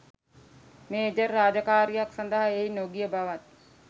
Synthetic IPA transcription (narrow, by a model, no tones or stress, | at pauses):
meːd͡ʒərːaːd͡ʒəkaːɾijaksand̪əɦaejnoɡijəbaʋat̪̚